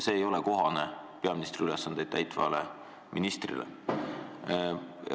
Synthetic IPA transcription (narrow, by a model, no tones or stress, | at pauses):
se̞ːjo̞leko̞ɦɑne̞ | pe̞ɑminist̪riylesːɑnd̪̥ed̥̪t̪æjt̪ˑvɑ̰le | minist̪rḭlḛ